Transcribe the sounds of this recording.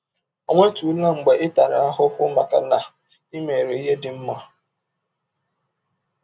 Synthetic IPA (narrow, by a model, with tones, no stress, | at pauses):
o˨ŋʷe˦tu˨˦la˦ŋ͡m̩˨ɡ͡be˨ʔɪ˦ta˨ɾa̰˨˦a˦ɦʊ˦ɦʊ˦ma̰˨ka̰˨na˨ | i˦me˨ɾe˨˦i˦ɦe˦dɪ˦m̩˦ma˦